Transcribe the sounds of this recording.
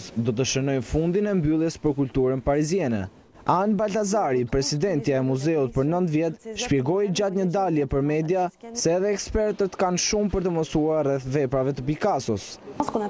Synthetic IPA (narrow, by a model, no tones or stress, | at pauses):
sd̪ɔt̪̬əʃənɔjnfund̪inɛmbylˠjɛspəɾkult̪uɾənpaɾizjɛnɛ̰ | anbalt̪azaɾipɾɛsid̪ɛnt̪jaɛmuzɛut̪̚pəɾnənt̪vjɛt̪ʃpjɛɡɔjd͡ʑat̪ɲəd̪aljɛpəɾmɛd̪jasɛːðɛːkspɛɾt̪ət̪kanʃumpəɾt̪əməsuaɾrɛθvɛpɾavɛt̪əbikasɔs